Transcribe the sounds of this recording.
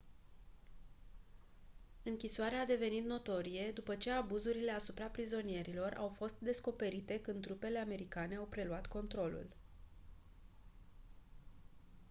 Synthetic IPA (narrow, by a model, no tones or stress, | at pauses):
ɨŋkʲisoaɾead̪e̞ve̞nit̪no̞t̪o̞ɾije̞d̪upət͡ʃe̞abuzuɾile̞asupɾapɾizo̞nie̞ɾilo̞rʔa̰wfo̞st̪̚d̪e̞sko̞pe̞ɾit̪e̞kɨnd̪ɾupe̞le̞ame̞ɾikane̞awpɾe̞luat̪ko̞nt̪ɾo̞lṵl